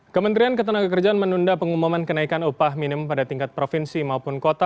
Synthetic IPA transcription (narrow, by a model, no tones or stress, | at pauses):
kəmənt̪ɾiankət̪ənaɡakərd͡ʒaanmənundapəŋumumankənaikanupahminɪmpadat̪iŋkat̪̚pɾofinsimaupʊnkot̪a